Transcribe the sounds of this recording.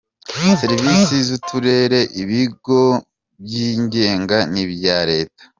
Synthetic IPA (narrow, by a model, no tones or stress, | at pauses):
seɾivisizutʰuɾe̞ɾe̞ʔiβiɡo̞ | bjiːɲɟe̞ːŋɡaniβjaːɾe̞ːtḁ